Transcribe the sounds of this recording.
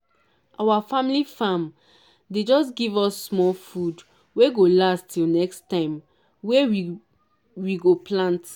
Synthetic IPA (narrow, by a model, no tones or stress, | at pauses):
ʔawafãmilifãm | ded͡ʒɔsɡivɔsːmɔlfud | weɡolastʰilnɛkstãɪ̃m | we | wiɡoplãnt